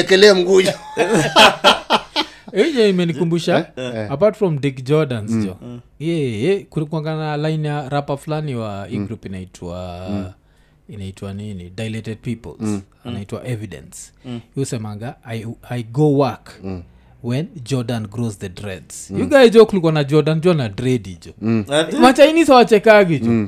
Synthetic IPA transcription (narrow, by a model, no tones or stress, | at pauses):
ɛkɛlɛam̩ɡud͡ʒa | id͡ʒɔimɛnikumbuʃaːpatfɹɔ̃mdikd͡ʒɔdãnzd͡ʒɔjɛɛkukuɔ̃ŋɡananalajnjaɾapaflaniwaiɡɾupinaitʰwa̰ | inaitwaninidajlɛtɛd̚pipɔ̰lz | anaitwa̰ʔɛvidɛ̰̃nsjusɛmaɡaajajɡowak | wɛnd͡ʒɔdãnɡɾozðədɾɛdsjuɡajd͡ʒɔkulikwanad͡ʒɔdand͡ʒɔnadɾɛdid͡ʒɔmat͡ʃainisawat͡ʃɛkaɡid͡ʒɔ